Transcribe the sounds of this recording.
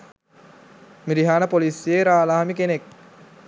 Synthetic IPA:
miɾiɦaːnəpolisjeɾaːlaːɦamikenek̚

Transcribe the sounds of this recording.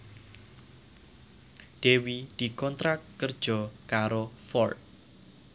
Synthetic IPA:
ɖ̪̥ewid̪̥i̤kɔnt̪ɾakːərd̥ʒ̥ɔ̤kaɾofɔrt̪̚

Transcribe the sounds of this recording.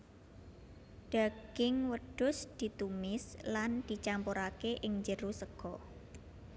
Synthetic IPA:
d̪̥aɡ̥ɪŋwəɖ̥ʊsd̪̥i̤t̪umɪsland̪̥it͡ʃampuɾakeʔɪŋɲd͡ʒəɾusəɡ̥ɔ

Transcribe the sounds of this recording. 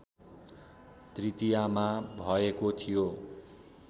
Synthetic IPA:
t̪rit̪ijamabʱʌekot̪ʰijo

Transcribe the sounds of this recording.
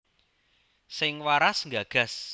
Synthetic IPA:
sɪŋwaɾasŋɡaɡ̥a̤s

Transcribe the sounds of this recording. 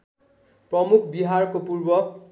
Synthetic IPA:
prʌmukʰbiɦarkopurbʌ

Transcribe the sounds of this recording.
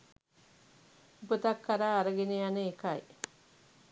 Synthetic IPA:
upət̪ɐkːaɾaːɾəɡenejanəekaj

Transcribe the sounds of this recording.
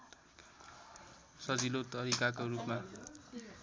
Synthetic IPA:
sʌd͡zilot̪ʌɾikakorupma

